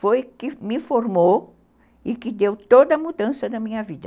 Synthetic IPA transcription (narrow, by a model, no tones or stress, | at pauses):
fojkɪmɪfoɾmo | ɪkɪd̪ewt̪od̪ɐmud̪ɐ̃sɐd̪ɐmĩɲɐvid̪ɐ